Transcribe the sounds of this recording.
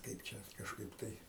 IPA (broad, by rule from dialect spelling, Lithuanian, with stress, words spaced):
ˈkɐɪp t͡ʃʲɛ kɐʃˈkɐɪp tɐɪ